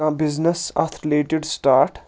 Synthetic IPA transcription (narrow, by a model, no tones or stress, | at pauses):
ãbɪznesa̰t̪ʰɾileːʈɪɖsʈaːɾʈ